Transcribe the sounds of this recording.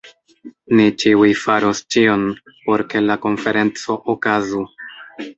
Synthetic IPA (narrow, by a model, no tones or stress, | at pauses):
nit͡ʃiujfaɾost͡ʃio̞n | po̞ɾke̞lako̞nfe̞ɾe̞nt͡so̞ʔokazu